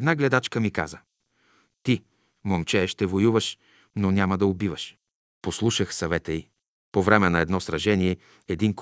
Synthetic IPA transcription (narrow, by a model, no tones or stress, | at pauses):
d̪naɡlɛd̪at͡ʃkəmika̰zə | t̪i | momt͡ʃɛʃt̪ɛvojuvəʃ | nonʲamɐd̪ɐobivəʃ | poslˠuʃəxsɐvɛt̪əi | povɾɛmɛnɐɛd̪nɔsɾɐʒɛniɛ | ɛd̪ink